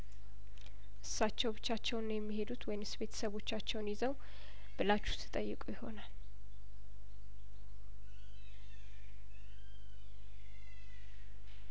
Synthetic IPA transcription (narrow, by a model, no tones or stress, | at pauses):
ʔɨsːat͡ʃːɛwbɨt͡ʃːat͡ʃːɛwnjɛmːihe̞d̪ut̪ʰwɔjɪnɨsbe̞t̪ʰə̥səβo̞t͡ʃːat͡ʃːɛwnjizəw | b̥ɨlat͡ʃːu̥st̪ʰɨ̥t̪ʼəjːɨkʼujɪho̞nal